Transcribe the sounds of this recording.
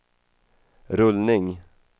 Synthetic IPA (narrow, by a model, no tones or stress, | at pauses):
ɾɵlnɪŋ